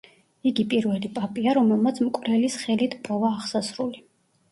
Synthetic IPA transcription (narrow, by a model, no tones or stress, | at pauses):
iɡipʼiɾvɛlipʼapʼiaɾɔmɛlˠmat̪sʰmkʼvɾɛlisχɛlit̪ʰpʼɔvaːʁsasɾuli